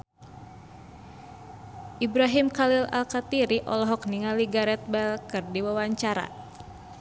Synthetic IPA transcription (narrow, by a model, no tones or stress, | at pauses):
ʔibɾaɦimkalila̰lkat̪iɾiʔɔ̰lɔɦɔk̚niŋaliɡaɾɛt̪̚bɛlkɨrdiwawaɲt͡ʃaɾa̰